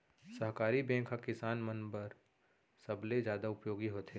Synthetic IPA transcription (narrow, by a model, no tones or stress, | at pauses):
sɐɦkaːɾibɛ̃ːkʰakɪsaːnmənbəɾ | sɐbled͡ʒjaːd̪aʊpjoːɡiɦoːt̪ʰe